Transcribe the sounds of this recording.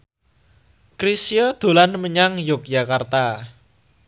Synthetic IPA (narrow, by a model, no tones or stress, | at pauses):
kɾisijɔd̪̥o̤lanməɲaŋjʊk̚jakart̪a